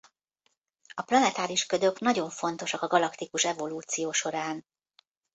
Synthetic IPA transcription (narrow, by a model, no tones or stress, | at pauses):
ɒplɒnɛt̪aːliʃkød̪ø̞knɒɟo̞ɱfo̞nt̪o̞ʃɒkɒɡɒlɒkt̪ikuʃɛvo̞luːt̪sijoːʃo̞ɾaːn